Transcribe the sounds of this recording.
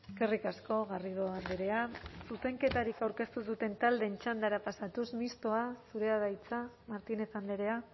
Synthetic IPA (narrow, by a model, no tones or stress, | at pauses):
eske̞rikasko̞ɣariðo̞and̪eɾe̞asuse̞ŋke̞t̪aɾikawɾke̞st̪usut̪e̞nt̪ald̪e̞nt͡ʃand̪aɾapasat̪usmist̪o̞asuɾe̞aðajt͡sa | maɾt̪ine̞θand̪e̞ɾe̞a